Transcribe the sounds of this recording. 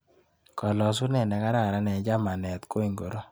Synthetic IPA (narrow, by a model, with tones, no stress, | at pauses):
kɔ˨lɔ˨s̬u˦nɛ˨nɛ˨ka˦ɾa˨ɾa˦nɛ˨˦d͡ʒa˦ma˨nɛ˨t̪ko˦i˨ŋɡo˨ɾo˦